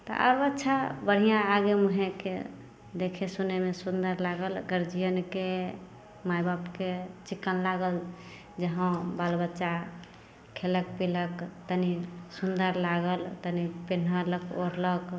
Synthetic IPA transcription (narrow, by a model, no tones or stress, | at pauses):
t̪ɔ̰ʔə̰ɾbətːt͡ʃʰabəɽ̤ijãːɡemuɦẽkḛ | d̪ekʰesunemesund̪əɾlaɡəlɡəɾd͡ʒijənke | majbapket͡ʃikːənlaɡəl | d͡ʒəɦə̃balbətːt͡ʃa | kʰelək̚piləkt̪ənisund̪əɾlaɡəlt̪ənipenɦələkʰoɾlək